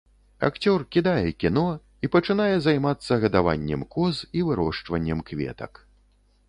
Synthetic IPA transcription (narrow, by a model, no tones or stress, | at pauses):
a̰kt͡sʲɔrkʲid̪ajɛkʲinɔ | ipɐt͡ʂɨn̪ajɛzajmat̪sːɐɣɐd̪ava̰nʲːɛmkɔzivɨɾɔʂt͡ʂvɐnʲːɛmkvʲɛ̰t̪ɐ̰k